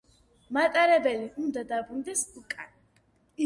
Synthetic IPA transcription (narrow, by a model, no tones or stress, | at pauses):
mat̪ʼaɾɛbɛliund̪ad̪abɾund̪ɛsukʼa̰n | i